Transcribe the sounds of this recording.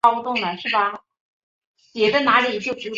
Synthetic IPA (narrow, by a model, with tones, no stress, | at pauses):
ʊ˧t̪ʊ˥˩ŋnə˩ʂɻ̩˥˩bɐ˩ | pjɛ˨˩d̪ə˥na˧˥li˨˩t͡ɕjo˥˩ʊt͡ɕu˧˥